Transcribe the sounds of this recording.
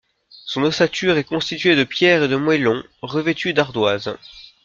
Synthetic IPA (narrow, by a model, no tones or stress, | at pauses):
sɔ̃nɔstat̪yʁɛkɔ̃st̪it̪ɥed̪əpjɛʁed̪əmwɛlɔ̃ | ʁəvet̪yd̪aʁd̪waz